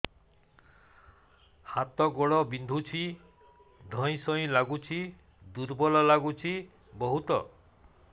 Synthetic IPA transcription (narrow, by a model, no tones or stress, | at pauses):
hat̪ɔɡɔɭɔbind̪ʱut͡ʃʰi | d̪ʱɔ̃j̃sɔĩlaɡut͡ʃʰi | d̪uɾbɔlɔlaɡut͡ʃʰi | bɔɦut̪ɔ